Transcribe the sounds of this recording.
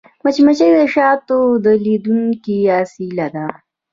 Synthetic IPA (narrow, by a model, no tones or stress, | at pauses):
mɐt͡ʃimɐt͡ɕejd̪əʃaːt̪od̪əlid̪uŋkiaːsilad̪a